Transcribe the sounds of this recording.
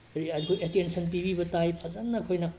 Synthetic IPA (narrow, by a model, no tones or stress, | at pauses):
ɐɾiɐdikʰojetensɐnp̬ibibɐtajpʰɐzanːɐkʰojnɐ